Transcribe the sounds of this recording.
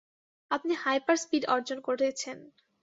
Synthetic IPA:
apnihajpaɾspiɖɔɾd͡ʑonkoɾet͡ɕʰen

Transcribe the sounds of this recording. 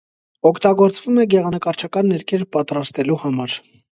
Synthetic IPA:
ɔkʰt̪ɑɡɔɾt͡svumɛɡɛʁɑnəkɑɾt͡ʃʰɑkɑnːɛɾkʰɛɾpɑt̪ɾɑst̪ɛluhɑmɑɾ

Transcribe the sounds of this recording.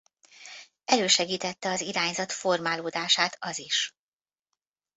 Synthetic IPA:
ɛløːʃɛɡiːt̪ɛt̪ːɛɒziɾaːɲzɒt̪fo̞rmaːloːd̪aːʃaːt̪ɒziʃ

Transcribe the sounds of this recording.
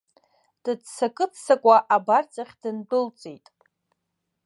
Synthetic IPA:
d̥ɨdsakʼɨt͡sʰsakʷʼaʔabart͡sʼaχʲd̥ɨndʊlt͡sʼejtʼ

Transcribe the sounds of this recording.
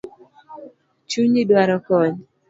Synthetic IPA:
t͡ʃuɲidwaɾɔkɔɲ

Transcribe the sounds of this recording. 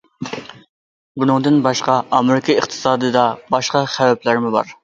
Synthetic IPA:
bunɨŋd̪ɨnbɑʃqɑɑmɪɾɪkʰɨəχt̪ʰɨ̥sɑːd̪ɨd̪ɑbɑʃqɑχævɛplɪɾɪmɪbɑ̰ɾ

